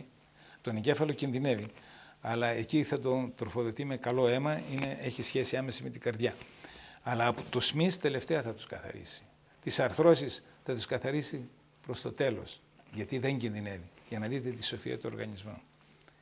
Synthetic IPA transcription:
t̪o̞neɲɟe̞fɐlo̞cinðine̞viɐlɐeciθɐt̪o̞t̪ɾo̞fo̞ðo̞t̪ime̞kɐlo̞e̞mɐine̞ʔeçisçe̞siɐme̞sime̞t̪iɡɐɾðʝɐ | ɐlɐːpot̪usmist̪e̞le̞ft̪e̞ɐθɐt̪u̥skɐθɐ̰ɾḭsi̥ | t̪isɐɾθɾo̞sisθɐt̪uskɐθɐɾisi | pɾo̞st̪o̞t̪e̞lo̞̰s | ʝɐt̪iðe̞ɲɟinðine̞viʝɐnɐðit̪e̞t̪iso̞fiɐ̰t̪oo̰ɾɣɐ̰ɲizmo̰

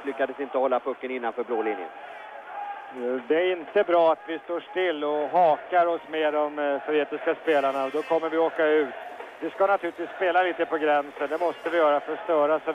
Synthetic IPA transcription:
lʏkːad̪əsɪnt̪əhɔlːapʰɵkːənɪnːanfœːɾbloːlɪnjə̰ | d̪ɛæɾɪnt̪əbɾɑːat̪vɪst̪oːʂʈɪlːɔɦɑːkaɾɔsmeːɖɔmt̪ʰɔɾeːt̪ɪskaspeːlaɳaɔd̪ɔkʰɔmːəɾvɪoːkaʉ̟ːt̪vɪskanat̪ʰʉ̟lɪt̪viːspeːlaliːt̪əpʰɔɡɾɛnsənd̪ɛmɔst̪əvɪjœːɾafœʂt̪œːɾasɔ

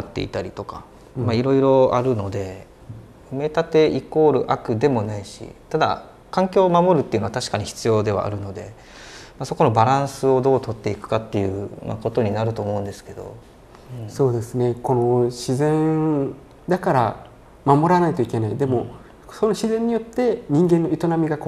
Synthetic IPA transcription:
t̪ːe̞̰ḭt̪aɾʲit̪o̞ka | maiɾo̞iɾo̞a̰ɾɯ̟no̞d̪e̞ | ɯ̟me̞t̪at̪e̞iko̞ːɾɯ̟ʔakɯ̟d̪e̞mo̞naiɕḭt̪ad̪a̰ | kãŋkʲo̞ːmamo̞ɾɯ̟t̪ːeiɯ̟noat̪aɕi̥kaɲ̟içi̥t͡sɨjo̞ːd̪e̞β̞a̰ʔːɾɯ̟no̞d̪e̞̰ | maso̞ko̞no̞baɾãɰ̃sɨo̞d̪o̞ːt̪o̞t̪ːe̞ikɯ̟̥kat̪ːe̞jɯ̟ma̰ko̞t̪o̞ɲ̟inaɾɯ̟t̪o̞ːmo̞ɯ̃nd̪e̞sɨ̥ke̞d̪o̞̰ | so̞ːd̪e̞sɨne̞ko̞no̞ɕizẽ̞n | d̪akaɾa̰ | mamo̞ɾanait̪oike̞naid̪e̞mo̞ | so̞no̞ɕizẽ̞ɲ̟ːijo̞t̪ːe̞ɲ̟ĩŋɡẽ̞nːo̞it̪o̞namʲiɡak

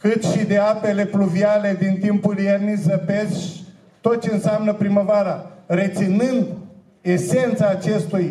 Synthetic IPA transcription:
kɨt̪ʃid̪e̞ape̞le̞fluviale̞d̪int̪impuljernizəpez | t̪o̞t̪̚t͡ʃe̞ɨnsamnəpɾiməvaɾare̞t̪sinɨnd̪ | e̞se̞nt̪saːt͡ʃe̞st̪uj

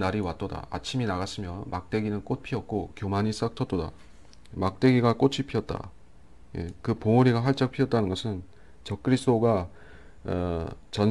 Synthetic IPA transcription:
naɾiwat͈̚ʌda̰a̰t͡ɕʰiminaɣas͈ʰɯmjʌmak̚t͈e̞ɡinɯnk͈ot̚pʰiʌk̚k͈okjomaɲis͈ak̚tʰʌt͈oda̰ | mak̚t͈e̞ɡiɡak͈ot͡ɕʰipʰiʌt̚t͈a̰ | jḛkɯpoŋoɾiɡaɦaɭt͡ɕ͈ʌk̚pʰiʌt͈̚anɯnŋɡʌsʰɯn | t͡ɕʌk̚k͈ɯɾis͈ʰoɡa | t͡ɕʌn

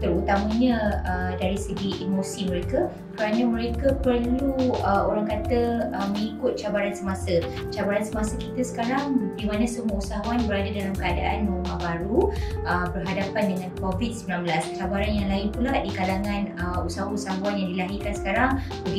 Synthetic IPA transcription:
t̪əɾut̪aməɲə̃ədaɾisəɡiʔimosimə̃ɾeka | kəɾanəməɾekəpərluəoɾaŋkat̪əəmə̃ŋikʊt̪̚t͡ʃabaɾansəmasə | t͡ʃabaɾansəmasəkit̪əsə̥kaɾaŋdimanãsəmuausaɦaanbəɾadadalamkəadaʔa̰nmə̃umabaɾuʔəbərɦadapandəŋãnkovid̚səmbilanmbəlast͡ʃabaɾanjaŋlaɪnpulahdikalaŋãnəusaɦausaɦawanjaŋdilaɦikansə̥kaɾaŋ | bəɡi

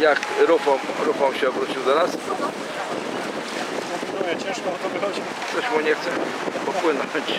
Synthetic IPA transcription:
jakɾupɔmɾufɔmɕɛɔbɾut͡ɕiwd̪ɔnas | ujʲɛt͡ɕɛ̃ʂkɔnat̪ɔvɨxɔd͡ʑi | t̪sɔɕmuɲɛxt̪sɛ | pɔpwɘnɔɲt͡ɕ

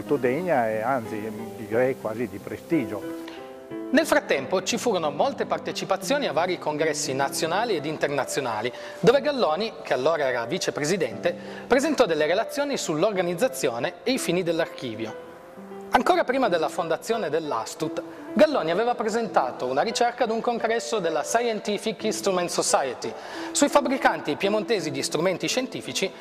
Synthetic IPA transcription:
lt̪od̪ɛɲːaɛant̪sid̪iɾɛjkwaːzid̪ipɾest̪iːd͡ʒo | nelfɾat̪ːɛmpot͡ʃifuːɾonomolt̪epart̪et͡ʃipat̪sːjoːniavːaːɾikoŋɡɾɛsːinat̪sːjonaːlied̪int̪ernat̪sːjonaːli | d̪oːveɡalːɔːnikʰealːoːɾaɛːɾaviːt͡ʃepɾezid̪ɛnt̪e | pɾezent̪ɔd̪elːeɾelat̪sːjoːnisulːorɡanid̪zːat̪sːjoːneːifiːnid̪elːarkḭːvjo̰ | aŋkoːɾapɾiːmad̪elːafond̪at̪sːjoːned̪elːa̰st̪ut̪ | ɡalːɔːniaveːvapɾezent̪aːt̪ounaɾit͡ʃɛrkad̪uŋkoŋɡɾɛsːod̪elːasajɛnt̪ifikist̪ɾument̪sosajet̪i | suifabːɾikant̪ipjemont̪eːzid̪ist̪ɾument̪iʃent̪iːfit͡ʃi

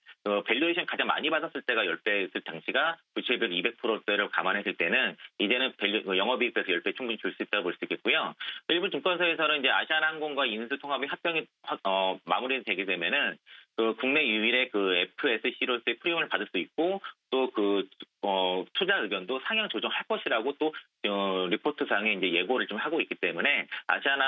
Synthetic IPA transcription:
kɯpe̞ʎːoiɕʰinkad͡ʑaŋma̰ɲibadʌs͈ɯɭt͈e̞ɡajʌɭp͈e̞sʰɯɭtaŋɕʰiɡakɯt͡ɕʰiɭbjeɡibe̞k̚pʰɯɾot͈eɾɯɭkamanɦesʰɯɭt͈e̞nɯnid͡ʑe̞nɯnpekɯjʌŋɦʌbik͈esʰʌjʌɭp͈et͡ɕʰuŋbuɲit͡ɕoɭs͈uit̚t͈aɾopoɭs͈uik͈et̚k͈ujoiɭbut͡ɕuŋk͈ʌnsʰʌesʰʌnonind͡ʑe̞a̰ɕʰiananɡoŋɡwainsʰutʰoŋɦabiɦak̚p͈jʌŋiaʌma̰muɾitwe̞ɡide̞menɯnkɯkuŋne̞juiɾe̞kɯe̞pʰɯe̞s͈ʰɯɕʰiɾoɭs͈ɯe̞pʰɯɾiomɯɭpadɯɭs͈uit̚k͈ot͈okɯʌtʰud͡ʑaɯɡjʌndosʰaŋjʌŋt͡ɕod͡ʑʌŋɦaɭk͈ʌɕʰiɾaɡot͈o | ʌɾipʰotʰɯsʰaŋe̞ind͡ʑe̞je̞ɡoɾɯɭt͡ɕomhaɡoik͈it͈e̞mune̞a̰ɕʰiana

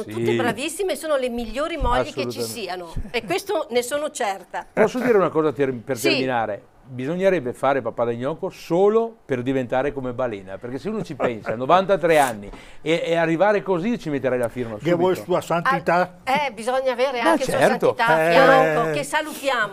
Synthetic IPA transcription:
onot̪ut̪ːebɾavisːimesoːnolemiʎːoːɾimɔʎːekkelut͡ʃisiːanoekwest̪onesoːnot͡ʃɛrt̪apɔsːod̪iːɾeunakɔːzat̪erpertserminaːɾe | bizoɲːeɾɛbːefaːɾepapad̪aɲːɔːkosoːloperd̪ivent̪aːɾekomebaleːna̰perkeseuːnot͡ʃipɛnsanovant̪at̪ɾɛanːi | eearːivaːɾekozit͡ʃimet̪ːeɾɛjlafirmasevwɔjt̪uːasant̪it̪a | ɛbizɔɲːaːveːɾeaakest͡ʃuaɛsat̪oit̪aeɾɔokesalut̪jaːmo

